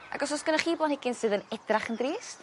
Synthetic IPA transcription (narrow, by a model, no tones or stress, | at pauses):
ʔa̰ɡɔsɔsɡ̥ənaχiːblˠɔnhɛɡɪnsɨːðənɛdraχəndriːs